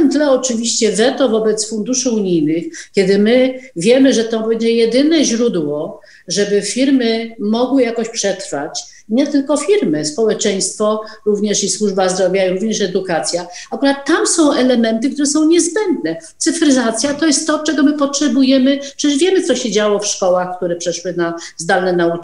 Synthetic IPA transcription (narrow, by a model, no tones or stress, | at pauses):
ɛnt̪lɛɔt͡ʂɘvʲiɕt͡ɕɛvɛt̪ɔvɔbɛt̪sfund̪uʂɘuɲijnɘxkʲɛd̪ɘmɘvʲjɛmɘʐɛt̪ɔbɛɲd͡ʑɛjɛd̪ɘnɛʑɾud̪wɔ | ʐɛbɘfʲiɾmɘmɔɡwɘjakɔɕpʂɛt̪ɾfa̰t͡ɕ | ɲɛt̪ɘlkɔfʲiɾmɘspɔwɛt͡ʂɛj̃st̪fɔɾuvɲɛʂiswuʐbazd̪ɾɔvʲjaiɾuvɲɛʂɛd̪ukat̪sʲjaakuɾat̪ːamsɔ̃w̃ɛlɛmɛnt̪̬ɘkt̪uɾɛsɔ̃w̃ɲɛzbɛnd̪nɛt̪sɘfɾɘzat̪sʲjat̪ɔjɛst̪ːɔt͡ʂɛɡɔmɘpɔtʂɛbujɛmɘ̥ɛʂvʲjɛmɘt̪ɔɕɛd͡ʑawɔfʂkɔwaxkt̪uɾɛpʂɛʂwɘnazd̪alnɛnau